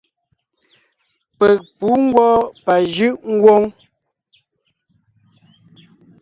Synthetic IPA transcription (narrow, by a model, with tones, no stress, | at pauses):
pɛ˨k̚pu˨˦ŋ˦ɡwɔ˦pa˨ʒʉ˦ʔŋ̩˦ɡwo˦ŋ